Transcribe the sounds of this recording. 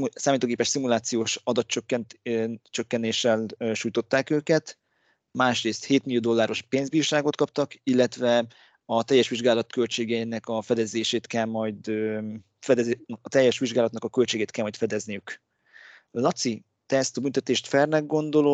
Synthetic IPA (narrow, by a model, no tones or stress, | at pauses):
saːmit̪oːɡeːpɛʃsimulaːt̪sijoːʃɒd̪ɒt̪t͡ʃøkːɛnt͡ʃøkːɛneːʃɛlʃuːjt̪o̞t̪ːaːkøːkɛt̪ | maːʃreːst̪heːt̪miljoːd̪o̞lːaːɾo̞ʃpeːnzbiːoʃaːɡo̞t̪kɒp̚t̪ɒkilːɛt̪ʋɛ | ɒt̪ɛjːɛʃʋiʒɡaːlɒt̪kølt͡ʃeːɡɛinɛkɒfɛd̪ɛzeːʃeːt̪kɛlmɒjd̪ø | fɛd̪ɛt̪ɛjːɛʃʋiʒɡaːlɒt̪nɒkɒkø̞lt͡ʃeːɡeːt̪kɛlmɒjt̪fɛd̪ɛznijyk | lɒt̪si | t̪ɛɛst̪ɒbynt̪ɛt̪eːʃt̪fɛrnɛɡ̚ɡo̞nd̪o̞lo